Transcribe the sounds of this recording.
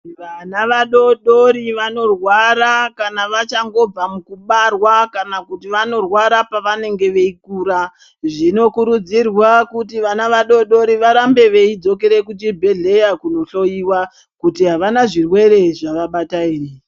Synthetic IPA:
ʋanaʋaɗo̞ɗoɾiʋano̞rwaɾakanaʋat͡ʃaŋɡo̞b͡vamukuɓarwakanakutiʋano̞rwaɾapaʋane̞ŋɡe̞ʋe̞ikuːɾa | ʐino̞kuɾud͡zirwakutiʋanaʋaɗo̞ɗo̞ɾiʋaɾambe̞ʋe̞id͡zo̞ke̞ɾe̞kutibʱeɮe̞jakuno̞ɬo̞jiwa | kutiɦaʋanaʐirwe̞ɾe̞ʐaʋaɓatairi

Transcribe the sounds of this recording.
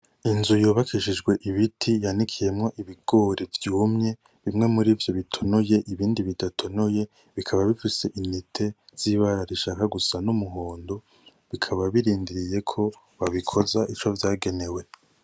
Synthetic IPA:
inzujoːβakiʃid͡ʒɡwe̞ʔiβitʰijanikʰije̞mŋo̞ʔiβiɡ̥o̞ːɾivjuːmɲe̞ | βimŋe̞muɾiːvjo̞βitʰo̞noje̞ʔiβiːndiβidatʰo̞noje̞ | βikʰaβaβifise̞ʔinitʰe̞z̥iβaɾaɾiʃakaɡusanumuɦoːndo̞ | βikʰaβaβiɾiːndiɾije̞kʰo̞ | βaβikʰo̞zaʔit͡ʃovjaːɡe̞ne̞we̞

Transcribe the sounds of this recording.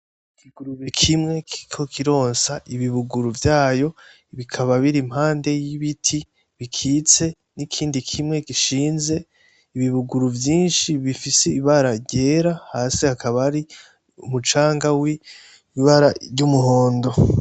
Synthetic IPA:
ikiɡuɾuβekʰimŋe̞kikʰo̞kʰiɾo̞ːnsaʔiβiβuɡuɾuvjaːjo̞ | βikʰaβaβiɾimhaːnde̞jiβitʰi | βikʰiːt͡se̞ | nikʰiːndikʰimŋe̞kiʃiːnze̞ | iβiβuɡuɾuvjiːnʃiβifiseiβaɾaɟe̞ɾahaːsihakaβaɾi | umut͡ʃaːŋɡawi | iβaɾaɾɟumuɦo̞ːndo̞

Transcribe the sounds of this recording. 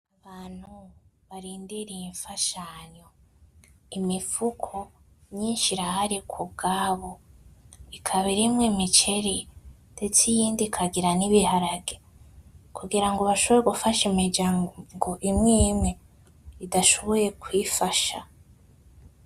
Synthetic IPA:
aβaːn̥huβaɾiːndiɾiiɱfaʃaɲo̞ | imifukʰo̞ | ɲiːnʃiɾahaɾikʰub̚ɡaːβo | ikʰaβiɾimŋemit͡ʃe̞ɾinde̞t͡sijiːndikʰaɡiɾaniβihaɾaɡe | kuɡiɾaŋɡo̞βaʃoβo̞ɾeɡufaʃimid͡ʒaŋŋɡo̞ʔimŋiːmŋe | idaʃo̞βoje̞kwiːfaʃa̰

